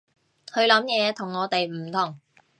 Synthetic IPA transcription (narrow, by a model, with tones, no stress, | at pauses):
hʰɵ˨˧ɥlɐ˨˥mjɛː˨˧t̪ʰʊ˨˩ŋːɔː˨˧t̪e˨jm̩˨˩t̪ʰʊ˨˩ŋ